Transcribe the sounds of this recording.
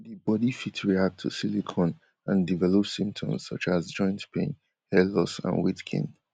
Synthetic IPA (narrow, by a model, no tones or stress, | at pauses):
ðibɔdifitɹiak̚tʰṵsilikʰɔ̃n | ʔə̃ndivɛlɔpsĩmp̚tʰɔ̰̃mz̥sʌ̰t͡ʃazd͡ʒɔ̃ɪ̃ntpʰḛ̃n | hɛlɔsə̰̃nwitkʰɪ̰̃ŋ